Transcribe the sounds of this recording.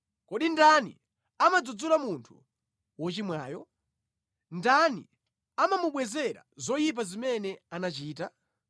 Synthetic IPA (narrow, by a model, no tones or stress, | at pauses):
kɔɗindanḭ | amad͡zud͡zulamuntʰu | wɔt͡ʃimwaːjɔ | ndanḭ | amamuɓwɛzɛɾa̰zɔjip̬azimɛnɛanat͡ʃiːta